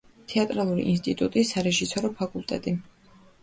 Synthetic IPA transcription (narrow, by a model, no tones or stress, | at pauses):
t̪ʰɛat̪ʼɾalˠuɾḭʔḭns̬t̪ʼit̪ʼṵt̪ʼisaɾɛʒisɔɾɔpʰakʼulˠt̪ʼɛ̰t̪ʼi